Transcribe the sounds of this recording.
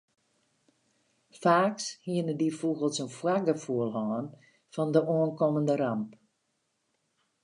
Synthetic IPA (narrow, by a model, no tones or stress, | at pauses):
faːkshiənədifuɣəlˠsənfwak̚dəfuəlˠɦɔːn | fɔndəoənkɔməndəɾamp